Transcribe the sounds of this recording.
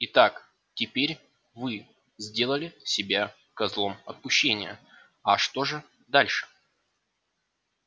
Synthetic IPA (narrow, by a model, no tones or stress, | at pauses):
ɪt̪ak | tʲɪpʲeɾʲ | vɨ | zʲdʲe̞lˠəlʲɪsʲɪbʲa | kɐzlˠo̞mɐt̪̚pʊɕːenʲɪ̰jə̰ | ɐʂt̪o̞ʐɨ | d̪alʲʂɨ̥